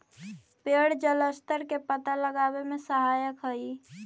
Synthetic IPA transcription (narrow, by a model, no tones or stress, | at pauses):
peɽd͡ʒələst̪əɾkepət̪aləɡaːwemẽsəɦaːjəkɦəi